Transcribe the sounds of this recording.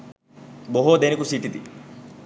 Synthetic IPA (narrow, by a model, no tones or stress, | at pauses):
boɦoːd̪enikusiːt̪it̪i